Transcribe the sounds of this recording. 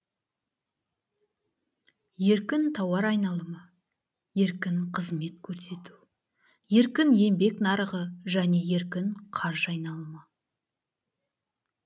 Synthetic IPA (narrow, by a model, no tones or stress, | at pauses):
je̞ɾkʲɪnt̪ʰɑwɑɾɑjnɑlˠəmɑ | je̞ɾkʲɪnqʰəzme̞t̪̚kʲʰɵɾse̞t̪u | je̞ɾkʲɪnje̞mbe̞knɑɾəʁəʒæne̞je̞ɾkʲɪnqʰɑɾʒɑjnɑlˠəmɑ